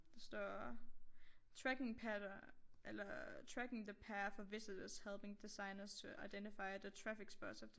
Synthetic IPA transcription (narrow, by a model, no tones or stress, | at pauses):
d̥ɑsd̥ɒ̰ː | t͡sʰʁæɡ̥e̝ŋpʰæʔelɐt͡sʰʁæɡ̥e̝ŋðəpʰæːɐfɒʋe̝sədəshelˠb̥e̝ŋd̥isɑ̈ɪnɐst͡sʰe̝ʔɑ̈ɪd̥endifɑ̈ɪɐðət͡sʰʁæfiɡ̥sb̥ɒ̰̥sɒfd̥